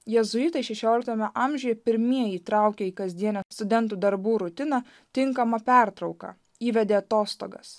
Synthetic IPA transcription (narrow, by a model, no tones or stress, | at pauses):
jɛzʊiːt̪ɐɪʃʲɛʃʲoːlʲɪk̚t̪oɛmʲɛʔɐmʲʒʲʊjɛpʲɪɾʲmʲiɛjiːt̪ɾɑˑʊkʲɛiːkɐzʲd̪ʲiɛnʲoːst̪ʊd̪ʲɛnt̪̬uːd̪ɐɾbuːɾʊt̪ʲɪnɐ | t̪ʲɪŋkɐmɐpʲæˑɾt̪ɾɒʊkɐ̰ | iːʋʲɛd̪ʲeːɐt̪oːst̪o̰ːɡɐ̰s